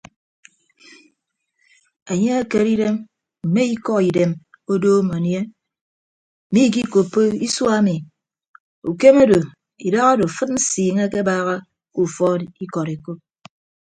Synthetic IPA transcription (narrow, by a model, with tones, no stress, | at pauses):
e˨ɲe˦a˦ke˨ɾi˦de˦m | m̩˨me˦i˦kɔ˦i˨de˨m | o˦doː˦ma˨nje˦˨ | mi˦k̬i˦ko˨pːo˦i˦swa˦mi˨ | u˨ke˦me˦do˨ | i˨da˦ɣa˦do˨fɨ˦t̚n̩˦siː˨ŋe˦ke˦baː˦ɣa˦ | u˨fɔ˦i˦kɔ˨ɾe˨ko˦p̚